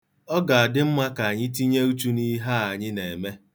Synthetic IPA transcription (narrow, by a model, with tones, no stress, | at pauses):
ɔ˦ɡa˨a˨dɪ˦m̩˦ma˦ka˨ɲɪ˦ti˦ɲe˦u˦t͡ʃu˦ni˦ɦa˦a˨ɲɪ˦ne˨me˦